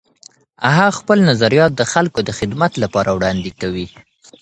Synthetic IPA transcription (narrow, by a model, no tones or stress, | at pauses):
aɦɑxpəlnazaɾijɑt̪̚d̪əxalkod̪əxɪd̪mat̪lapɑɾawɽɑnd̪ekawi